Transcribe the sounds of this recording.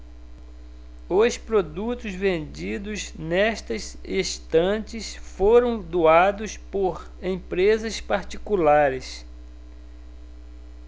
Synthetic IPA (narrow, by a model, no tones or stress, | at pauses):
ʊspɾod̪ut̪ʊzvẽnd͡ʒid̪ʊznɛʃt̪ɐsiʃt̪ɐ̃t͡ʃɪsfoɾɐ̃w̃d̪uad̪ʊspoɾ | ẽpɾezɐspaɾt͡ʃikulaɾɪs